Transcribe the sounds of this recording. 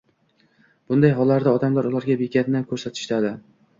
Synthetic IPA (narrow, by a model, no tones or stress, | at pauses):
b̥ʊnd̪ajɦɒlːaɾd̪aɒd̪amlaɾʊlˠaɾɡʲabekʲat̪namkʰɵɾsat̪ʰɪ̥ʃt̪ad̪ɪ